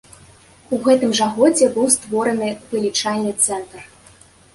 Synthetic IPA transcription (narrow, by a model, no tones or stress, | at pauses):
uɣɛt̪ɨmʐaɣɔd͡zʲɛbɨwst̪vɔɾɐnɨvʲɛlʲit͡ʂalʲnɨt̪sɛnt̪r